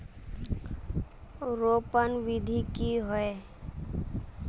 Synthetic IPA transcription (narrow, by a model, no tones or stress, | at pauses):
ɾoːpənʋɪd̪ʱikiɦɔe